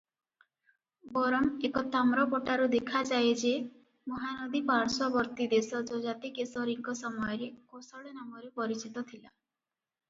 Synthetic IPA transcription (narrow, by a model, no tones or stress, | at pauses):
bɔɾɔmekɔt̪amɾɔpɔʈaɾud̪ekʰad͡ʒaed͡ʒe | mɔɦanɔd̪ibaɽsɔbɔɾt̪id̪esɔd͡ʒɔd͡ʒat̪ikesɔɾiŋkɔsɔmɔjɔɾekosɔɭenamɔɾepɔɾit͡ʃit̪ɔt̪ʰila